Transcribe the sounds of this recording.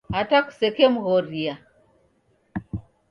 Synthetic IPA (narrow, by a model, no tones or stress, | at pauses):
ataku̥sɛkɛmuɣɔɾia